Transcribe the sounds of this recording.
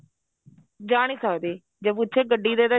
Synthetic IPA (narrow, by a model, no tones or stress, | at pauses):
d͡ʒaːɽ̃iːsaːd̪eː | d͡ʒepʊt͡ʃʰeːɡəɖːiːd̪eːd̪aː